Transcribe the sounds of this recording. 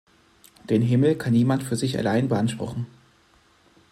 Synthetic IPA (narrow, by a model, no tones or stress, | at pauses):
d̥eːnɦɪml̩kʰanːiːmantfyːɐzɪça̰laɪnbəʔanʃpʁ̥ʊ̰χn̩